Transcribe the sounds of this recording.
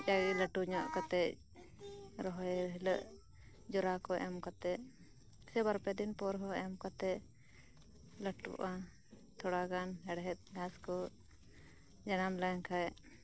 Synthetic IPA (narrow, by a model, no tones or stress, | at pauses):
t͡ʃaɡiləʈuɲɔʔkɔt̪ɛʔ | ɾɔɦɔjɾɦiləʔ | d͡ʒɔɾakɔʔɛ̰mkat̪ɛ | sɛbaɾpɛd̪inpɔɾɦɔɛmkɔt̪ɛ | ləʈṵʔa | t̪ʰɔɽaɡanhɛɽɦɛt̪̚ˀɡaskɔ | d͡ʒanamlaŋkʰaj